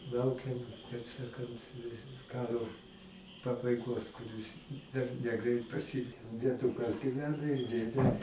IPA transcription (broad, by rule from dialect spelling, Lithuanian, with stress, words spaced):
ˈlˠɐʊkʲɛm kɐɪp ˈsɑːkɐnt ˈkɑːroː pɐbɐɪˈɡoːs kʊˈrʲɪs dɐr nʲɛˈɡrʲɛɪt prɐˈsʲɪ dʲiɛˈdʊkɐs ɡʲiːˈʋʲæːnɐ ɪr ˈdʲeːdʲeː